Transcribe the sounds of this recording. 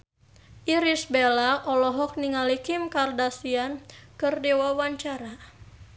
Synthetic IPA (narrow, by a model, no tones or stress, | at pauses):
ʔiɾisbelaʔɔlɔɦɔk̚niŋalikimkardasiankɨrdewawaɲt͡ʃaɾa